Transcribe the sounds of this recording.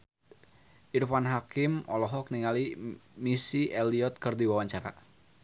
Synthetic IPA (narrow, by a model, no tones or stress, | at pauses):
ʔirfanɦakɪmɔlɔɦɔk̚niŋalimisiʔɛliɔt̪̚kɨrdiwawaɲt͡ʃaɾa̰